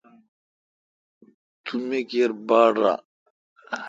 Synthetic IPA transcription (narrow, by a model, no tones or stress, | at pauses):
t̪ʰumekeɾbaːɽɾa̰